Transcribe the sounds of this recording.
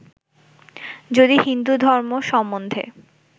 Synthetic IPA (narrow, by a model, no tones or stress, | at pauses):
d͡ʑod̪ihind̪ud̪ʱɔɾmoʃɔmːond̪ʱḛ